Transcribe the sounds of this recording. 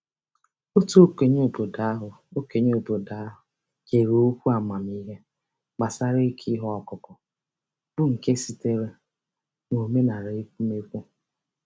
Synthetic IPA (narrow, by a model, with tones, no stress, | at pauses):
o˦to˦ke˨ɲo˦˨bo˨da˨˦ɦʊ˨ | o˦ke˨ɲe˦o˨bo˨da˨a˦ɦʊ˨ | ke˨ɾo˦kʷu˦a˨ma˨m˦i˦ɦe˦ | ɡ͡ba˨sa˦ɾe˦kʰi˦ɦɔ˦ɔ˨kʊ˨kɔ˨ | b̥ʊ˦ŋ̩˨ke˦si˨te˦ɾe˦ | ŋʷo˨me˦na˨ɾe˦kʷu˦me˦kʷu˦